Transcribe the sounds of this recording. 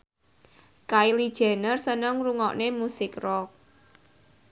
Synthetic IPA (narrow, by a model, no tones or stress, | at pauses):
kailid̥ʒ̥ɛ̤nərsənəŋruŋɔ̰ʔnemusɪkrɔk̚